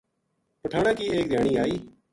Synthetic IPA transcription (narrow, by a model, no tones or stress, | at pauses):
pəʈʰaːɳãːkiːeːk̚d̪ʱjaːɳiːaːiː